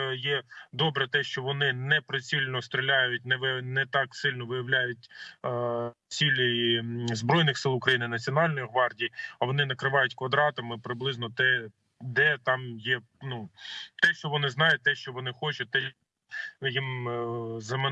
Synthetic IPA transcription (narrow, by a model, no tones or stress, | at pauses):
jɛd̪ɔbɾɛt̪ɛʃt͡ʃɔʋɔnɪnɛpɾɪt͡sʲilʲnɔst̪ɾʲɪlʲajʊt̚ʲnɛʋɪnɛt̪ɑksɪlʲnɔʋɪjɐʋlʲajʊtʲ | t͡sʲilʲɔjizbɾɔjnɪxsɪlˠʊkɾɐjinɪnɐt͡sʲiɔnɑlʲnɔjiɦʋɑrdʲijiɐʋɔnɪnɐkɾɪʋɑjʊtʲkʋɐd̪ɾɑt̪ɐmɪpɾɪblˠɪznɔt̪ɛ | d̪ɛt̪ɑmjɛ | nut̪ɛʃt͡ʃɔʋɔnɪznɑjʊt̚ʲt̪ɛʃt͡ʃɔʋɔnɪxɔt͡ʃʊt̪ɛ | jim | zɐm